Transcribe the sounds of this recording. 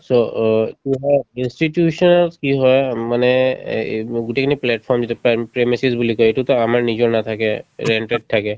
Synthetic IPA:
sokiɦɔjinsʈiʈjusɔnlkiɦɔjmane | ɡuʈekaniplɛʈpʰɔɹmd͡ʒet̪ɔppɹemisizbulikɔjiʈut̪ɔamaɹnid͡ʒɔnat̪ʰakɛɹeɳʈeɖ̚ʈ̪ʰakɛ

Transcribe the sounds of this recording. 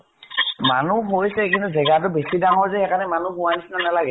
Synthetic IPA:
manuɦojsɛkintuzɛɡat̬ʊbesidaŋɔɹzɛɛkanɛmanuɦʊanisinɔnalaɡɛ

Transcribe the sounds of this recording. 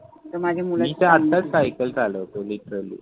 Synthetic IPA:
t̪əɾmad͡ʑʱemulmit̪eat̪ːat͡ssajkəld͡zʱalət̪oliʈəɾalḭː

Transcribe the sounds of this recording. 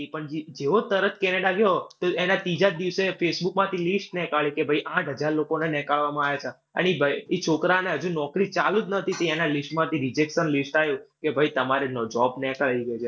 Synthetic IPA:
ipəɳd͡ʒid͡ʒeʋot̪əɾət̪ʰkɛneɖaɡjoɦt̪oenat̪id͡ʒad̪iʋsefesbukmãt̪ʰilisʈnɛkaɭikebʱəiʔãʈɦəd͡ʒaɾlokonenɛkaɭʋamãaʋjat͡ʃʰe | ə̰nibʱəiet͡ʃʰokɾaneɦəd͡ʒũnɔkɾit͡ʃalud͡ʒnət̪ʰit̪eenalisʈmãt̪ʰiɾid͡ʒekʃənlisʈajũkebʱəit̪əmaɾenɔd͡ʒɔbnɛkaiɡət͡ʃʰe

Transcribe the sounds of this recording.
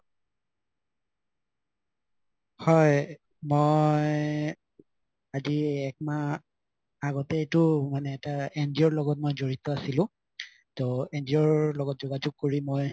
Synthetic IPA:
hɔj | mojj | aziɛk̚ma | aɡɔtɛtʊmanɛːtaendiɔɹlɔɡɔt̚mojzoɹitɔasilʊ̃ | tɔendiɔɹlɔɡɔt̚zɔɡad͡ʒuɡ̚koɹimoj

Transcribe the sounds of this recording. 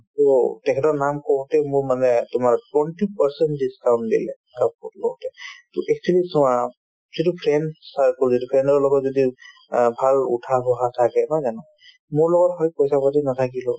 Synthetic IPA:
tɔtɛkʰɛtɔɹnamkɔɹtɛmʊɹmanɛtʊmaɹtwɛntipaɹsɛntdiskaw̃ntdḭlɛ | aplɔtɛtɔʔɛk̚sʰilisɔwa | zitupʰɹɛnsaɹkɔɹzitupʰɹɛndɔɹlɔɡɔtzɔdi | bʱalṵtʰabɔɦatʰakɛnɔjzanɔ | mʊɹlɔɡɔtɦɔjpɔjsapatinatʰakilɔ

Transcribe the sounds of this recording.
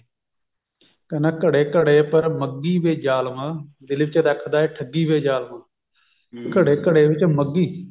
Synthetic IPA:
kənaːkəɽeːkəɽeːpəɾməɡːiːʋeːd͡ʒaːlmãːd̪ɪlʋɪt͡ʃd̪ɛːkʰd̪aːɛːʈʰəɡːiːʋeːd͡ʒaːlmãː | kəɽeːkəɽeːʋɪt͡ʃməɡːiː

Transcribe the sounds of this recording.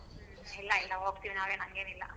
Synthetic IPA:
ilːɐilːɐoːkt̪iʋinaːʋeːɳɐŋɡenilːɐ̰

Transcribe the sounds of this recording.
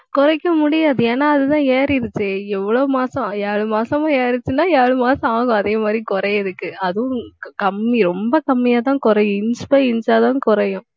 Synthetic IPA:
kʊɾɐɪkːɐmʊɽɪjaːðɯeːnːaːɐðɯt̪ãːeːɾɪɾɯt͡ʃːɯɛʋːɐɭoːmaːsɐ̃aːɭɯmaːsɐmãːjeːɾɪɾɯt͡ʃːɯnaːjaːɭɯmaːsɐ̃aːɐŋɡʊ̃ɐðeːmaːd̪ɾikʊɾɐjɐðɯkːɯɐðɯ̃kɐmːiɾɔmbɐkɐmːɪjaːt̪ãːkʊɾɐjʊ̃ɪnspɐɪɪnd͡ʒaːt̪ãːkʊɾɐjʊ̃

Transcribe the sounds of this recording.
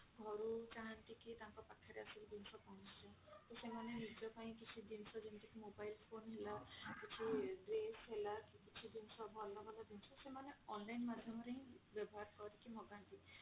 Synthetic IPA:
ɡʱɔɾut͡ʃaɦaɳʈ̪iket̪aŋkɔpakʰːaɾeasɔbid̪insɔpɔɽ̃ũsʰit͡ʃʰɔt̪osemanenid͡ʒɔpaĩkit͡ʃʰid̪insɔd͡ʒenʈ̪ikemobajlpʰonɦelakit͡ʃʰiɖɾesɦelakikit͡ʃʰid̪insɔbʱɔlːɔbɔlad̪int͡ʃʰɔsemaneɔnlajnmad̪ʱjɔmɔɾeĩbjɔbɔɦaɾkɔɾikimɔɡaɳʈ̪i

